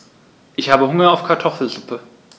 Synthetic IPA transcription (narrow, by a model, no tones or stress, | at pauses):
ʔɪçhaːbəɦʊŋɐaʊfkʰaɐtʰɔfl̩zʊpʰə